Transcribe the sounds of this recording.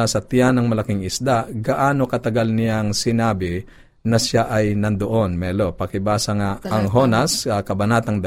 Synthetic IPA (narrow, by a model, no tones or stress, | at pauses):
sɐt̪ɪjanɐŋmɐlɐkɪŋɪsd̪aɡɐʔaːnokɐt̪ɐɡalnɪjaŋsɪnaːbɪ | nɐsaʔɐjnɐnd̪oʔo̞nmɛlopɐkɪbaːsɐŋaɐŋɦo̞nasɐkɐbɐnat̪ɐŋd̪ɐ